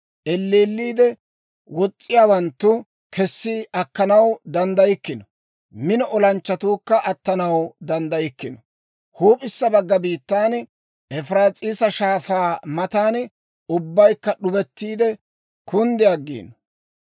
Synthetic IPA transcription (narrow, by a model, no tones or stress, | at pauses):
ʔɛlːeːlːiːd̪ɛ | wɔt͡sʼːɪjaːwɐnt̪ːʊ | kʰɛsːɪɐkːɐnɐwd̪ɐnd̪ɐjɪkːɪnɔ | mɪnɔʔɔlɐnt͡ʃːɐt̪uːkːɐʔɐt̪ːɐnɐwd̪ɐnd̪ɐjɪkːɪnɔ | huːpʼɪsːɐbɐɡːɐbiːt̪ːaːn | ʔɛfɾaːt͡sʼiːsɐʃaːfaːmɐt̪aːn | ʊbːɐjkːɐɗʊbɛt̪ːiːd̪ɛ | kʰʊnd̪ɛɐɡḭːnɔ